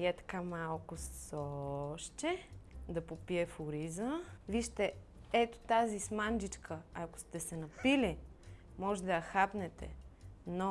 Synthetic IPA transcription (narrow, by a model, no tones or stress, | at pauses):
ɛt̪ɐ̥kamalˠkʊssɔʃt͡ʃɛd̪ɐpopiɛfʊɾizəviʃt̪ɛ | ɛt̪ʊ̥t̪azismand͡ʒit͡ʃkʰəɐkʊ̥st̪ɛsɛnɐpili | mɔʒɛd̪ɐjɐxapnɛt̪ɛ̰no